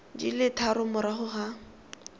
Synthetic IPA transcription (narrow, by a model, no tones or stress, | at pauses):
d͡ʒḭlɪtʰaɾʊmʊɾaχʊχa